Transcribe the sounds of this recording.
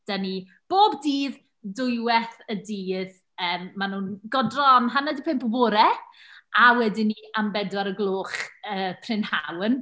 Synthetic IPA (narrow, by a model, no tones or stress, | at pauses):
d̥ani | b̥oːbdiːð | dʊjwɛθədiːð | əːmːanuːnɡɔdrɔnɦanadipʰɪmpɔboːɾɛ | ʔawɛdɪniʔambɛdwaɾəɡlˠoːχəːpʰrɪnha̰wən